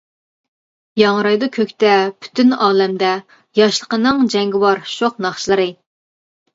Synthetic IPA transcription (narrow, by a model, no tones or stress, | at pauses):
jɑŋɾɑjd̪ɑkʲʰøkʲt̪ɛpʰy̥t̪ʰynɑːlɛmd̪ɛ | jɑʃlˠəqənɨŋd͡ʒɛŋɡʲɪwɑɾʃoqnɑχʃlˠəɾɨ